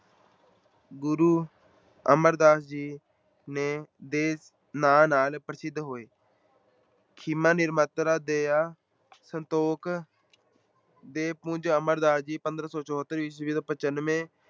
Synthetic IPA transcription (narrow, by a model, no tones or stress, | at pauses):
ɡʊɾuː | əməɾd̪aːsd͡ʒiː | neːd̪eː | naːnaːlpɾəsɪd̪ɦoːeː | kʰɪmãːnɪɾmət̪ɾaːd̪eːaː | sənt̪oːk | d̪eːpʊ̃d͡ʒəməɾd̪aːsd͡ʒiːpənd̪ɾəsɔːt͡ʃɔːɦət̪ːəɾʋiːsʋiːd̪õːpət͡ʃənmẽː